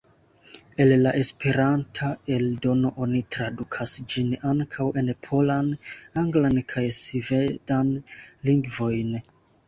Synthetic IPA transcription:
e̞llaʔe̞spe̞ɾantʰae̞ldo̞no̞ʔo̞nitɾadukʰasd͡ʒinaŋkʰawʔe̞npʰo̞lanaŋɡlankʰajsivedanliŋɡvo̞jn

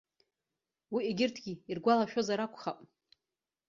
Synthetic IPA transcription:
wiʔiɡʲɪrtʰɡʲiirɡʷalaʃᶣozaɾakʷʰʼχapʼ

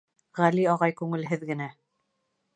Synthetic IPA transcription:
ʁæliɑʁɑjkʉŋɘ̆lɦɘðɡɘ̆næ

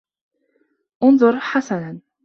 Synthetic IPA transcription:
ʔʊnðˤʊɾˤħasanan

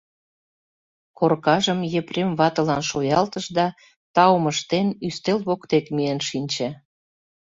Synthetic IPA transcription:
korkɑʒəmjepremβɑt̪ə̆lɑnʃojɑlt̪əʃd̪ɑ | t̪ɑwməʃt̪enyst̪elβokt̪ekmienʃinʲt͡ɕĕ

